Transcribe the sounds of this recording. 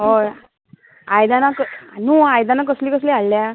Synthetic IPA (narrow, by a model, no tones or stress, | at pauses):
ɦo | ajd̪anaknũːajd̪anakəsliːkəsliɦalːja